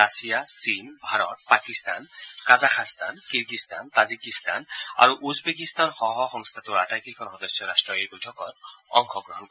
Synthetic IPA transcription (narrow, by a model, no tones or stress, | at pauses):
asijasinbʱaɾɔt̪̚pakist̪ankazakʰast̪ankiɾɡist̪a̰nt̪ad͡zikist̪a̰na̰ɾuʔuzbekist̪anxɔɦɔxɔŋst̪ʰat̪uɾatajkikʰɔnɦɔd̪ɔsjɔɾasʈrɔjebojʈʰɔkɔɾɔ̰ŋkʰɔɡɾɔɦɔnk